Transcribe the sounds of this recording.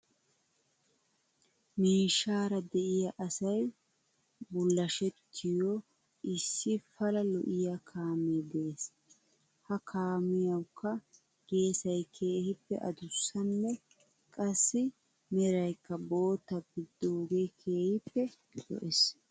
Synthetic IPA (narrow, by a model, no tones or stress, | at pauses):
miːʃaːɾɐd̪ɛʔɪjɐʔɐsɐj | bʊlːɐʃɛt̪ʰːɪjɔ | ʔɪsːɪfɐlɐlɔ̰ʔɪjakʰaːmed̪eːs | hɐkʰaːmɪjɐwkːɐ | ɡ̥e̞ːsɐjkʰe̞ːhɪpːɛ̰ʔɐ̰d̪ʊsːɐnːɛ | kʼɐsːɪ | mɛɾɐjkːɐbo̞ːt̪ːɐbɪd̪ːoːɡejkʰe̞ːhɪpːɛ | lɔ̰ʔɛs